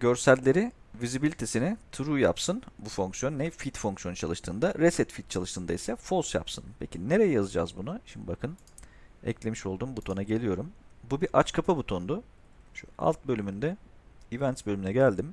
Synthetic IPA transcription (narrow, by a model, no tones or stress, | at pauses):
ɟø̞ɾsælʲːe̞ɾi | vizibilʲit̪ʰe̞sinɪt̪ʰuɾuːja̰psɯnbufoŋksjo̞nːɛfit̪foŋksjo̞nut͡ʃʰalˠɯʃt̪ʰɯːnd̪aɾesɛt̪fit̪̚t͡ʃʰalˠɯʃt̪ʰɯːnd̪aisɛfo̞lˠsja̰psɯnpʰecʰine̞ɾe̞jɛjazɯd͡ʒa̰ːzbunuʃimd̪ibakʰɯn | ɛ̰clʲe̞miʃo̞lˠd̪uːmbut̪ʰo̞naɟe̞lʲijo̞ɾumbubiʔat͡ʃkʰapʰabut̪ʰo̞nd̪ʊ | ʃua̰lˠt̪̚bølʲymynd̪ɛ | ivɛnt̪sbølʲymynɛɟælʲd̪im